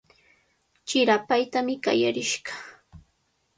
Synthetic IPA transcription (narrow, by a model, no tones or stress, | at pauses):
t͡ʃɪɾapajt̪amɪka̰ja̰ɾɪʃɢɑ̥